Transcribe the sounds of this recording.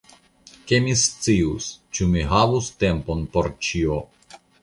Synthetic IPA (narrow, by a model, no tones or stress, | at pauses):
kemist͡siust͡ʃumiɦavust̪e̞mponpoɾt͡ʃio